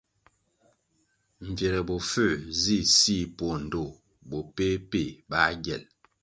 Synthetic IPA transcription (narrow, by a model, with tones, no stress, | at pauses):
m̩˨vje˨ɾɛ˨bo˨fø˦˨zi˦˨si˦po˦˨n̩˨do˦˨ | bo˨pe˦pe˦˨ba˦ɡjɛ̰˨l